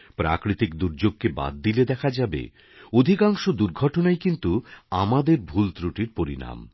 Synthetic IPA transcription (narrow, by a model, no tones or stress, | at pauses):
pɾakɾit̪ikd̪uɾd͡ʑoɡ̚keba̰d̪ːiled̪ɛkʰad͡ʑabḛ | od̪ʱikaŋʃod̪uɾɡʱɔʈonajkint̪uamad̪eɾbʱult̪ɾuʈiɾpoɾḭna̰m